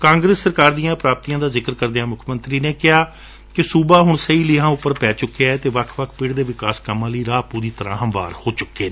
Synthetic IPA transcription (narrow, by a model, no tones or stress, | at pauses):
kãːŋɡɾesːəɾkaːɾd̪ijãːpɾaːp̚t̪iːjãːd̪aːzɪkəɾkəɾd̪ejaːmʊkʰmənt̪ɾiːneːkɪɦaː | kɪsuːbaːɦʊɳsəiːlɪɦãːʊpːəɾpɛːt͡ʃʊkːeaːɛːt̪eːʋəkʰʋəkʰpɪɽd̪eːʋɪkaːskəmãːləiːɾaːpuːɾiːt̪əɾã̰ːɦəmʋa̰ːɾhoːt͡ʃʊkːeː